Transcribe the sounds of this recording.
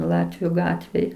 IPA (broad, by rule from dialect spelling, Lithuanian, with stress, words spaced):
ˈlˠɑːtʲʋʲʊ ˈɡɑːtʲʋʲeːj